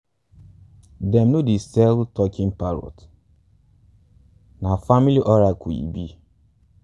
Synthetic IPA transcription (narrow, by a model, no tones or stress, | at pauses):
dɛmnudisɛltɔkɪm̩paɾɔ̰t | nafamiliʔɔɾakuḭbi